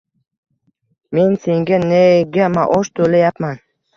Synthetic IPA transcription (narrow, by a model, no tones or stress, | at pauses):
me̞nse̞ŋɡʲaneɡʲamaʔɒʃt̪ʰolajapman